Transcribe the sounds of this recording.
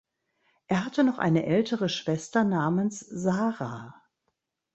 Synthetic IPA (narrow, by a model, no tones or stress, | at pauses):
ʔeːɐɦatənɔχʔa̰ɪnəʔɛltʰəʁəʃv̥ɛstɐnaːmənszaːʁaː